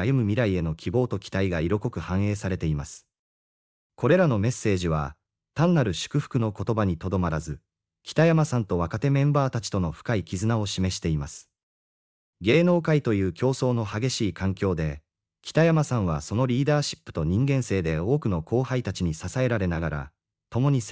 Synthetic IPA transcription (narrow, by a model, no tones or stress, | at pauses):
ajɯ̟mɯ̟mʲiɾaie̞no̞kʲibo̞ːt̪o̞kʲi̥t̪aiɡaiɾo̞ko̞kɯ̟hãɰ̃e̞ːsaɾe̞t̪e̞imasɨ̥ | ko̞ɾe̞ɾano̞me̞sːe̞ːʑiβa̰ | t̪ãnːaɾɯ̟ɕɨ̥kɯ̟ɸɯ̥kɯ̟no̞ko̞t̪o̞baɲ̟it̪o̞d̪o̞maɾazɨ | kʲi̥t̪ajamasãnt̪o̞βakat̪e̞mẽ̞mbaːt̪at͡ɕi̥t̪o̞no̞ɸɯ̥kaikʲizɨnao̞ɕime̞ɕi̥t̪e̞imasɨ̥ | ɡe̞ːno̞ːkait̪o̞jɯ̟ːkʲo̞ːso̞ːno̞haɡe̞ɕiːkãŋkʲo̞ːd̪e̞ | kʲi̥t̪ajamasãɰ̃βaso̞no̞ɾʲiːd̪aːɕi̥pːɯ̟̥t̪o̞ɲ̟ĩŋɡẽ̞ɰ̃se̞ːd̪e̞o̞ːkɯ̟no̞ko̞ːhait̪at͡ɕiɲ̟isasae̞ɾaɾe̞naɡaɾa̰ | t̪o̞mo̞ɲ̟is